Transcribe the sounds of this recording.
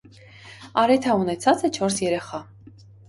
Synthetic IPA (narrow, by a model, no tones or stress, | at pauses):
ɑɾɛt̪ʰɑunɛt͡sʰɑt͡sɛt͡ʃʰɔɾsjɛɾɛχɑ